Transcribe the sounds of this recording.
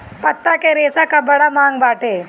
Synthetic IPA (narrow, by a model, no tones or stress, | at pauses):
pɐt̪ːakeɾeːsakabɐɽamaːŋɡbaːʈeː